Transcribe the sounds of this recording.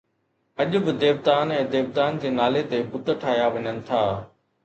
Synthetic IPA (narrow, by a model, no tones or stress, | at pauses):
ɐʄʊ̆bɪd̪eːʋt̪aːnɛ̃ːd̪eːʋd̪aːnd͡ʑeːnaːlet̪ebʊt̪ʈʰaːɦjaʋɐɲənɪ̆t̪ʰaː